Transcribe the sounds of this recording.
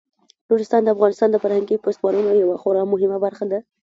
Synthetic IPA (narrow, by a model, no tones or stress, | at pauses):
luɾɪst̪ɑnd̪əafɣɑnɪst̪ɑnd̪əfaɾhaŋɡipost̪mɑɾunawjawaxoɾɑmʊɦɪmabaɾxad̪a